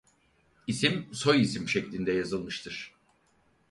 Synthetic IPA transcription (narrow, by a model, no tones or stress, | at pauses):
isimso̞jisimʃeclʲind̪ɛjazɯlˠmɯʃt̪ʰɯɾ̥